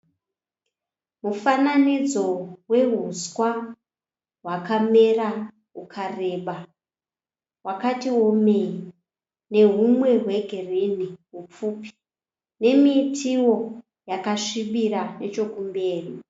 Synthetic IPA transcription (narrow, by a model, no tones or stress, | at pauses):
mufananid͡zo̞we̞ɦuswa | ɦwakame̞ra | ɦukʰareːɓa | wakatiwo̞mei | ne̞ɦumwe̞ɦwe̞ɡʱereniɦup͡fuːpi̥ | ne̞miːtʰiwo̞ | jakaʂiɓirane̞t͡ʃo̞kumbe̞ːri